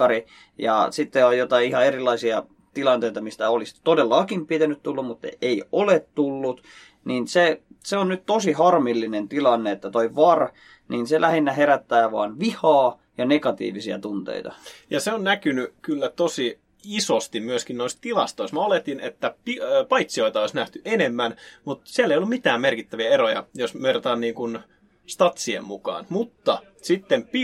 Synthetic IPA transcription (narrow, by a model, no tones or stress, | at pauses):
ɑri | jɑ̰sit̪ːeojot̪ɑiihɑerilːˑɑisiɑ | t̪ilɑnt̪eit̪ɑmist̪æolist̪odelːɑːkimpit̪ænyt̪t̪ulːummut̪ːḛeiolet̪t̪ulːut̪ | niːnseseonnyt̪t̪osihɑrmilːinent̪ilɑnːeet̪ːæt̪oiʋɑr | niːnselʔæhinːæheɾæt̪ːæːʋɑ̰ːnʋihɑː | jɑnekɑt̪ḭːʋisiæ̰t̪unt̪ḛit̪ɑ̰jɑseonnækynykylːæt̪osi | isost̪immyøskinnoist̪ilɑst̪oist̪meolet̪inet̪ːæpipɑit̪sioit̪ɑoisnæht̪yʔenemːænmut̪siælːeijolːumit̪æːmmerkit̪ːæʋiæeɾojɑ̰josmerot̪ɑnniːŋkun | st̪ɑt̪siḛmmukɑ̰ːnmut̪ːɑ | sit̪ːemp